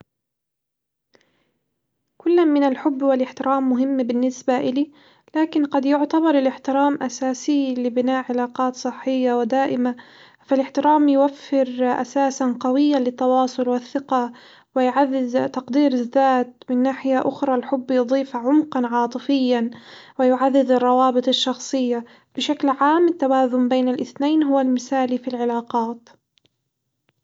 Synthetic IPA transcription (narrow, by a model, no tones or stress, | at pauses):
kʊlːamɪnalħʊbːwɪlʔɪħt̪ɪɾʔaːmːʊɦɪmːbɪnːɪsbaʔɪliː | laːkɪnqɑd̪jʊʕt̪abɑɾˤɪlɪħt̪ɪɾaːmʔasaːsiːlɪbɪnaːʔʕɪlaːqɑːt̪sˤɨħːɪjːawɪd̪aːʔɪma | falɪħt̪ɪɾaːmjwafːɪɾʔa̰saːsanqɑwɪjːalɪt̪ːɑwɑːsˤʊlwɪθːɪqɑ | wɪjʕaðːɪðt̪ɑqd̪iːɾɪðːaːt̪̚mɪnːaːħɪjaʔʊxɾˤɑlħʊbːjʊd̪ˤiːfʕʊmqɑnʕɑːt̪ˤɨfɪjːanwɪjʊʕaðːɪðɑrˤːɑwɑːbɨt̪ˤɑʃːɑxsˤɨjːa | b̥ɪʃaklʕaːmɪt̪ːawaːzʊmbeːnalʔɪθnajːnɦʊwalmɪsaːlifilʕɪlaːqɑːt̪